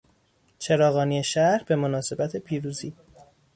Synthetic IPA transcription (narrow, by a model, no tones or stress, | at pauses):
t͡ʃʰe̞ɾɒːɣɒːniːeʃæɾhbe̞mo̞nɒːse̞bæt̪ʰe̞pʰiːɾuːziː